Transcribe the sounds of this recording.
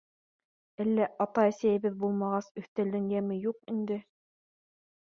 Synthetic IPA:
ælːæʔɑt̪ɑæsæjɘ̆βɘðbulˠmɑʁɑsɵ̆θt̪æld̪ɘŋjæmɘjuqind̪ɘ

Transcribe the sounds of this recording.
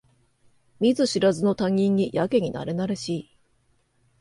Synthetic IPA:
mʲizɨɕiɾazɨno̞t̪ãŋ̟ʲːĩɲ̟ːijʔake̞ɲ̟ina̰ɾe̞naɾe̞ɕiː

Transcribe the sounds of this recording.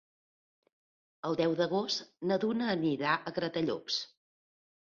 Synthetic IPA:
əlˠd̪ɛwd̪əɣost̪nəðunəːniɾaʔəɣɾət̪əʎɔ̰ks

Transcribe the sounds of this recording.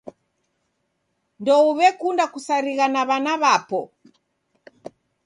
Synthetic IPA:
ndɔuβɛkundakusaɾiɣanaβanaβapɔ

